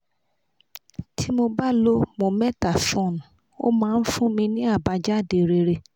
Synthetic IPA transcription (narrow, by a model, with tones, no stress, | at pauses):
tʰi˦mo˧ba˦lo˦mõ˧˨mɛ̃˦˨ta˨fũ˦˨n˨ | o̰˦mãː˦˧n̩˦fũ˦mĩ˧nĩ˦a˦˨ba˧d͡ʒa˦˨de˨ɾe˧˨ɾe˧